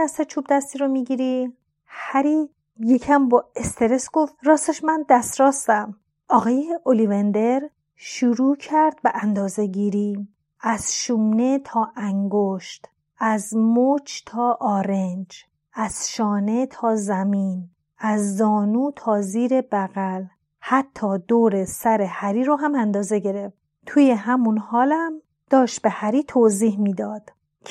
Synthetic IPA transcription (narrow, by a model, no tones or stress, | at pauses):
æst̪et͡ʃʰuːb̚d̪æst̪iːɾomiːɟiːɾi | hæɾiː | je̞cʰæmbɒːe̞st̪ʰe̞ɾe̞sɡo̞ft̪ɾɒːst̪eʃmænd̪æst̪ɾɒːst̪æm | ʔɒːɣɒːjeʔolivend̪e̞ɾ | ʃuɾuːcʰæɾd̪̚beʔænd̪ɒːze̞ɟiːɾiː | æz̥ʃune̞t̪ʰɒːʔæŋɡoʃt̪ | æzmot͡ʃʰt̪ʰɒːʔɒːɾend͡ʒ | ʔæz̥ʃɒːne̞t̪ʰɒːzæmiːn | æzːɒːnuːt̪ʰɒːziːɾe̞bæɣæl | hæt̪ʰːɒːd̪oːɾe̞sæɾe̞hæɾiːɾoɦæmænd̪ɒːze̞ɟe̞ɾe̞ft̪̚ | t̪ʰuːje̞ɦæmunhɒːlæm | d̪̥ɒːʃt̪̚behæɾiːt̪ʰoziːhmiːd̪ɒːd̪̥ʰ